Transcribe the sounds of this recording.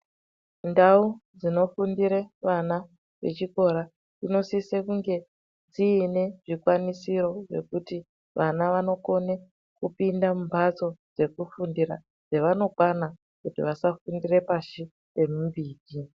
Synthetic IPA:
ndaud͡zino̞fundiɾeʋana | ʋe̞̰t͡ʃiko̞ɾa | d͡zino̞sisekuŋɡe̞ | d͡ziːne̞ʐikwanisiɾo̞ʐe̞̰kuti | ʋanaʋano̞ko̞ne | kupindamumbʰʱat͡so̞d͡ze̞kufundiɾa̰ | d͡zeʋano̞kwana | kutḭʋasafundire̞paʃi | e̞mumbiːd͡ʒi

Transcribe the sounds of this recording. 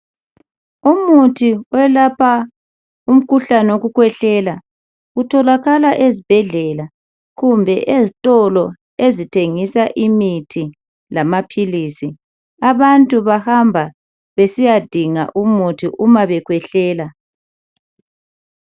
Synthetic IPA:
umutʰiwɛlapʰa | um̩kʰuɬanɛoɣukwɛɬɛla | utʰɔlaɣalaʔezib̥ʱɛɮɛla | ɣumbʱɛʔezitʼɔlɔ | ezitʰeŋisaʔimitʰi | lamapʰilisi | aβantʼuβahambʱa | βesijad̥ʱiŋa̰ʔumutʰiʔumaβɛkʰwɛɬɛːla

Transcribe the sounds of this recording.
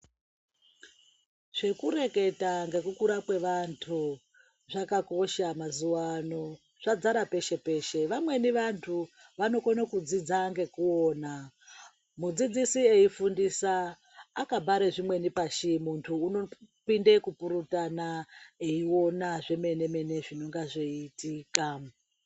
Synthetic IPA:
ʐ̥e̞kuɾe̞ke̞taŋɡe̞kukuɾakwe̞ʋantʰu | ʐakako̞ʃamazuwano̞ | ʐ̥ad͡zaɾape̞ʃe̞pe̞ːʃe̞ʋamwe̞niʋantʰu | ʋano̞konakud͡zid͡zaŋɡe̞kuoːna | mud͡zid͡zisieifundisaː | kabʱaɾeʐimwe̞nipaʃimuntʰuːno̞pindekupuɾutanaeio̞naʐe̞me̞ne̞me̞ne̞ʐino̞ŋɡaʐeitiːka

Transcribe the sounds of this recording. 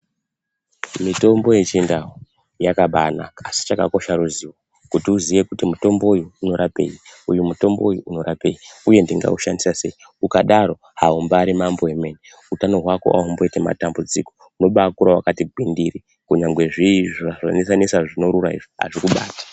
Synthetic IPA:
mito̞mbo̞je̞t͡ʃindao | jakaɓana̰ːsi̥t͡ʃaka̰ko̞ʃaɾuziwo | kutiuziʋe̞kutimuto̞mbo̞ujuːno̞ɾape̞̰iujumuto̞mboujuuno̞ɾape̞̰jiuje̞ndiŋɡa̰uʃandisase̞i | ukaɗaɾo̞ | haumbaːɾimambo̞eme̞ne | utano̞ɦwako̞̰ʔaumbo̞itema̰tambud͡ziko̞ | uno̞ɓakuɾawakatiɡʱindiri | kuɲaŋɡwe̞ʐiʐaʐa̰nisanisaʐino̞ɾuraḭʐoɦa̰ʐikuɓa̰ːtḁ

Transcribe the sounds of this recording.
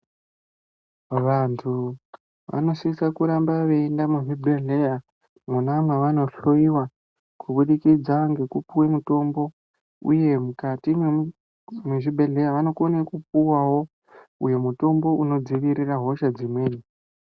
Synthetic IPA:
ʋantʰu | ʋa̰no̞sisakuɾambaʋe̞ːndamuʐibʱe̞ɮe̞ja | munamweʋano̞ɬo̞iwa | kʰuɓuɗikid͡zaŋɡe̞kupuwemuto̞mbo̞ | ṵje̞mukatime | meʐibʱe̞ɮe̞jaʋano̞konekup̚uwawo̞ | uje̞muto̞mbo̞ʔuno̞d͡ziʋiriraɦo̞ʃad͡zimwe̞ːni

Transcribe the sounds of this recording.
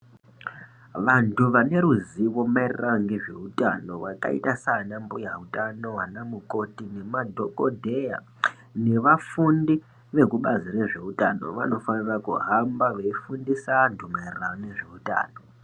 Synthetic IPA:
ʋantʰuʋane̞ɾuziʋo̞mairiraŋɡe̞ʐe̞̰uta̰no̞ʋaka̰ḭtasanambujautano̞anamuko̞tine̞madʱo̞ko̞dʱe̞ja̰ | ne̞ʋafundi | ʋe̞kuɓazire̞ʐe̞utano̞̰ʋa̰no̞fanirakuɦambaʋeifundisantʰumairrane̞ʐe̞uta̰ːno̞

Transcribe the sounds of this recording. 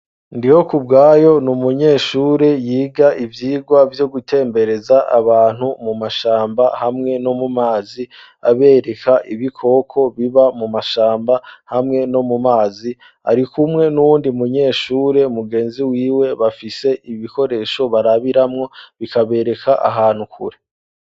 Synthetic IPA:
ndiho̞kubɡaːjo̞numuɲe̞ːʃuːɾe̞jiːɡaʔivjiːɡwavjo̞ɡutʰe̞ːmbe̞ɾe̞zaʔa̰βaːn̥humumaʃaːmbahamŋe̞no̞mumaːzi | a̰βe̞ːɾe̞kaʔiβikʰo̞ːkʰo̞βiβamumaʃaːmbahamŋe̞no̞mumaːzi | ha̰ɾikumŋe̞nuwuːndimuɲe̞ːʃuːɾe̞muɡe̞ːnziwiːwe̞βafise̞ʔiβiko̞ɾe̞ːʃo̞βaɾaβiɾamŋo̞βikaβe̞ːɾe̞kʰaʔa̰ɦaːn̥hukʰṵɾe̞

